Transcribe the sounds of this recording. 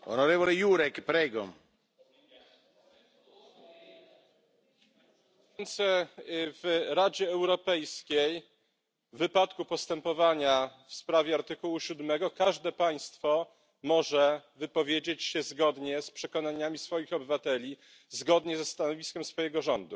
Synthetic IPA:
ɔ̰nɔɾɛvɔlɛjuɾɛkpɾɛɡɔ̰ | nt̪sɛvɾad͡ʑɛːwɾɔpɛjskʲej | vɘpat̪kupɔst̪ɛmpɔvaɲafspɾavʲjɛaɾt̪ɘkuwuɕud̪mɛɡɔkaʐd̪ɛpaj̃st̪fɔ | mɔʐɛvɘpɔvʲjed͡ʑet͡ɕɕɛzɡɔd̪ɲɛspʂɛkɔnaɲamʲisfɔjixɔbɘvat̪ɛlʲi | zɡɔd̪ɲɛzɛst̪anɔvʲiskʲɛmsfɔjɛɡɔʐɔnd̪u

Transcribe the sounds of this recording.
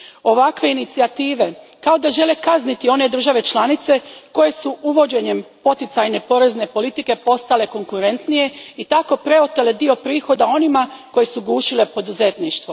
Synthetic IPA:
o̞ʋakʋe̞init̪siat̪iːʋe̞ | kao̞d̪aʒe̞le̞kaznit̪io̞ne̞d̪r̩ʒaʋe̞t͡ʃlˠanit̪se̞ko̞je̞suʔuʋo̞d͡ʑe̞ɲe̞mpo̞t̪it̪sajne̞po̞ɾe̞zne̞po̞lit̪ike̞po̞st̪ale̞ko̞ŋkuɾe̞nt̪nije̞it̪ako̞pɾe̞o̞t̪ele̞d̪io̞pɾiːxo̞d̪ao̞nimako̞je̞suɡuːʃile̞po̞d̪uze̞t̪niʃt̪ʋo

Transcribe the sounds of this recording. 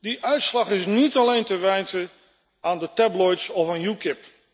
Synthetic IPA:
diʔœɥtslɑχɪsnitɑlejntəʋɛjntə | aːndətɛblɔjtsɔfanjukɪp

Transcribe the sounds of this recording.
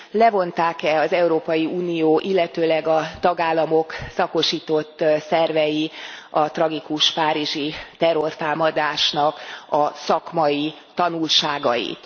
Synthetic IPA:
lɛvo̞nt̪aːkɛɒzɛuɾoːpɒjiuːnijoːʔilːɛt̪øːlɛɡɒt̪ɒɡaːlːɒmo̞ksɒko̞ʃiːt̪o̞t̪ːsɛrvɛjiɒt̪rɒɡikuʃpaːɾiʒit̪ɛrːo̞rt̪aːmɒd̪aːʃnɒkɒsɒkmɒji | t̪ɒnulʃaːɡɒ̰jḭt̪

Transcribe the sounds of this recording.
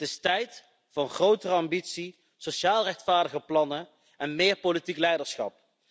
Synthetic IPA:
tɪstɛjt | fɑnχrowtərəɑmbitsi | soʃaːlˠrɛxtfaːɹdəɣəplɑnə | ʔɛnmɪːɹpolitiklɛjdəɹsχɑ̰p̚

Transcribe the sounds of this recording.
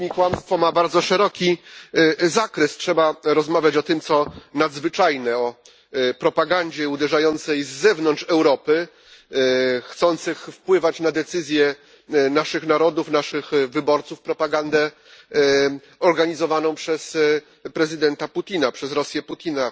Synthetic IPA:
ɲikwamst̪fɔmabaɾd̪zɔʂɛɾɔkʲi | zakɾɛstʂɛbaɾɔzmavʲjat͡ɕɔt̪ɘmt̪sɔnad̪zvɘt͡ʂajnɛɔ | pɾɔpaɡaɲd͡ʑɛud̪ɛʐajɔnt̪sɛjzːɛvnɔnʂɛwɾɔpɘ | xt̪sɔnt̪sɘxfpwɘvat͡ɕnad̪ɛt̪sɘzʲjɛ | naʂɘxnaɾɔd̪ufnaʂɘxvɘbɔɾt̪sufpɾɔpaɡand̪ɛ | ɔɾɡaɲizɔvanɔ̃w̃pʂɛs | pɾɛzɘd̪ɛnt̪aput̪ʲinapʂɛzɾɔsʲjɛput̪ʲina

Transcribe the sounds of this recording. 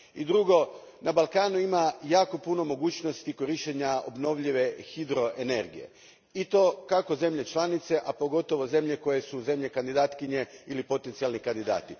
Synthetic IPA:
id̪ɾuɡo̞ | nabalˠkaːnuimajaːko̞puno̞mo̞ɡuːt͡ɕno̞st̪iko̞ɾiʃt͡ʃeɲao̰bno̞ʋʎiʋe̞xid̪ɾo̞ʔene̞ɾɡḭje̞̰ | it̪o̞kako̞ze̞mʎe̞t͡ʃlˠanit̪se̞ʔapo̞ɡo̞t̪o̞ʋo̞ze̞mʎe̞ko̞je̞suze̞mʎe̞kand̪id̪aːt̪kiɲe̞ilipo̞t̪ent̪sialˠnikand̪id̪a̰ːt̪i

